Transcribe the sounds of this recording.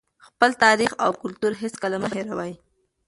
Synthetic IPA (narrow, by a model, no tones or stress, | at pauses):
xpəlt̪ɑɾixawkʊlt̪uɾɦeskalamaɦeɾawaj